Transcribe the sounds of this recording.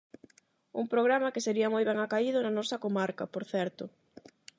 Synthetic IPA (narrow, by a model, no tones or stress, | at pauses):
uŋpɾoɣɾamɐkeseɾiɐmojβ̞ɛŋakaiðʊnɐnɔsɐkomaɾkɐpoɾθɛɾt̪ʊ